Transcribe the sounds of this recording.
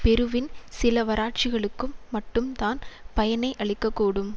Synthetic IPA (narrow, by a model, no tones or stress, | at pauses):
pɛɾɯʋɪnsɪlɐʋɐɾaːʈ̚t͡ʃɪɣɐɭɯkːɯmːɐʈːɯmt̪aːnpɐjɐnɐɪʔɐɭɪkːɐkːuːɽɯm